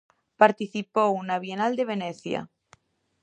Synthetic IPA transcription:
paɾt̪iθipounaβjenald̪e̞β̞eneθja̰

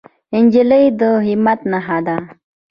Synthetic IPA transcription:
inʲd͡ʒiləjd̪əɦimat̪naɦad̪a

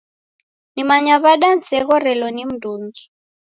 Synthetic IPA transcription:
nimaɲaβaɗan̩sɛɣɔɾɛlɔnim̩duːŋɡi

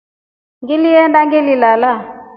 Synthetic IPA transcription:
ŋɡiliɛndaŋɡililala

